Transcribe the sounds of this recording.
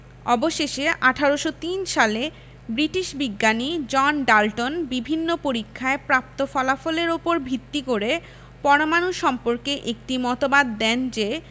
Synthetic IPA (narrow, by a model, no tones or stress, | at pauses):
ɔboʃeʃeʔaʈʰaɾoʃot̪inʃale | bɾiʈiʃbiɡːanid͡ʑɔnɖalʈonbibʱinːopoɾikʰːaepɾap̚t̪ofɔlafoleɾopoɾbʱit̪ːikoɾe | pɔɾomanuʃɔmpoɾkeʔek̚ʈimɔt̪obad̪ːɛnd͡ʑe